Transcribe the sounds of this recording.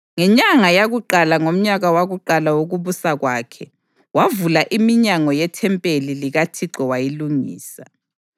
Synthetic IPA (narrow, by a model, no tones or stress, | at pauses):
ŋɛɲaŋajaɣuǃalaŋom̩ɲaɣawaɣuǃalawoɣuβusaɣwaːkʰɛ | wavulaʔimiɲaŋɔjɛtʰɛmpʼeliliɣatʰiǃɔwajiluŋḭːsa